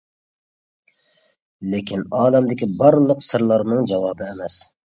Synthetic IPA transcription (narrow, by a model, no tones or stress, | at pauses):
lekʲʰinɑːlɛmd̪ɪkʲibɑɾlˠəqsɨɾlˠɑɾnɨŋd͡ʒɑwɑːbɨːmɛs